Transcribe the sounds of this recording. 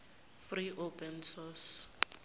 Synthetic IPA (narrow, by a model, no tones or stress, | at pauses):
friʔopʰʼɛnsɔs